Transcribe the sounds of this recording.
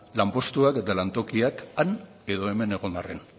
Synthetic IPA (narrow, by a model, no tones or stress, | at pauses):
lampo̞st̪uake̞t̪alant̪o̞kiakan | e̞ðo̞e̞me̞ne̞ɣ̞o̞nd̪arḛn